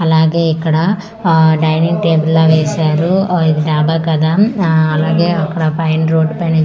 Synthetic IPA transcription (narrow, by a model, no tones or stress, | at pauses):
ɐlaːɡeːikːɐɽɐ | ɖɐjniŋɡʈeːbɐlːoːʋeːʃaːɾuid̪iɖaːbaːkɐd̪aːɐlaːɡeːɐkːɐɽɐpɐjɳɾoːɖpɐni